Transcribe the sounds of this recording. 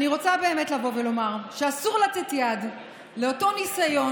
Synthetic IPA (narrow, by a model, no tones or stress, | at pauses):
aniʁo̞t͡sabe̞ːme̞tlavo̞ve̞lo̞maʁʃeasuʁlat͡se̞tjad | le̞oto̞nisajo̞